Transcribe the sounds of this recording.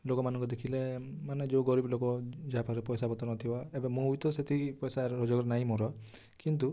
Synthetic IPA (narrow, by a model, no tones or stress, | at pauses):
lokɔmanɔ̃ŋkud̪ekʰilemaned͡ʒeɡɔɾiblokɔd͡ʒaapʰakɾepɔjsabɔt̪ɔnɔt̪ʰibaebemũujt̪ɔset̪ʰipɔjsaɾɔd͡ʒɔɡɔɾenaɦĩmɔɾɔ | kint̪̬u